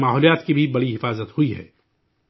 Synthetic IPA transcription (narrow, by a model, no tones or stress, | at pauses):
maːɦɔːlijaːt̪kibʱibɐɽiɦɪfaːzət̪huiɦɛ̰ː